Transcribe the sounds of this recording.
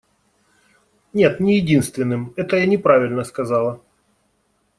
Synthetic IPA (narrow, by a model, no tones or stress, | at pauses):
nʲe̞t̪nʲɪjɪdʲinst̪vʲɪnːɨmɛt̪əjanʲɪpɾavʲɪlʲnəskɐzɑlˠə